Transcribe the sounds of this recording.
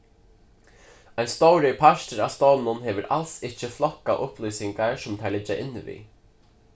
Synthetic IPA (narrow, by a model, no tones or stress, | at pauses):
ajnst̪owɾɪpʰaʃt̪ɪɾast̪ownʊnɦɛːʋɪɾʔa̰lsɪht͡ʃɪflɔkːaʔʊhplujsɪŋkaɹsʊmt̪ʰaɹlɪt͡ʃːaʔɪnːɪvḭ